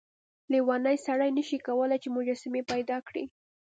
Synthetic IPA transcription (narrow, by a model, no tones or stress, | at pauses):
liwɑnəjsaɽajnəʃikawəlajt͡ʃemʊd͡ʒɑsɪmepajd̪ɑkɽi